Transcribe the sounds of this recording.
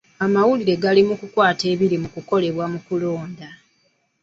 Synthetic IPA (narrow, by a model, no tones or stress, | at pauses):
amawuliɾe̞ɡalimukukwaːte̞ːβiɾimukuko̞le̞βwamukulo̞ːnda